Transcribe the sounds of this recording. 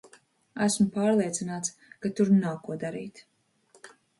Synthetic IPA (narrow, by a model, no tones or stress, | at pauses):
æsmupaːɾlˠiɛt̪sinaːt̪s | kat̪uɾnawkuɔd̪aɾiːt̪